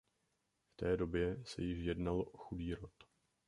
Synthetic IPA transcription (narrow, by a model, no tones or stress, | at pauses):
ft̪ɛːdo̞bjɛsɛ̰jɪʃjɛdnalʔoxudiːɾo̞t̪